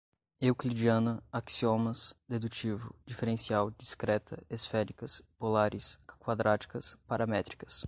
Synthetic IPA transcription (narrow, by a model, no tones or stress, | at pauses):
ewklid͡ʒiɐ̃nɐaksiomɐsd̪ed̪ut͡ʃivʊ̰d͡ʒifeɾẽsiawd͡ʒiskɾɛt̪ʰɐ̰esfɛɾikɐspolaɾɪskwad̪ɾat͡ʃi̥kɐspaɾɐmɛt̪ɾi̥kɐ̥s